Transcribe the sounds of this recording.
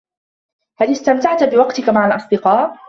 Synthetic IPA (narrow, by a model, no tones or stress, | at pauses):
halɪst̪amt̪aʕt̪bɪwɑqt̪ɪkamaʕalʔɑsˤd̪ɪqɑːʔ